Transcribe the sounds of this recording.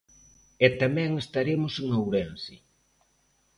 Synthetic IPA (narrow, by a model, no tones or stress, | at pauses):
ɛt̪amɛ̃ŋest̪aɾemʊseŋawɾɛnsɪ